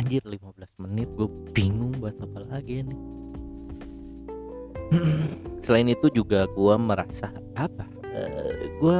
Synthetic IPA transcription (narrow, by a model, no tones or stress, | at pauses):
ɲd͡ʒɪrlimabəlasmənɪt̪̚ɡuabiŋʊŋbuat̪apalaɡinɪh | səlaɪnit̪ud͡ʒuɡaɡuaməɾasa | apa | ə̰ɡua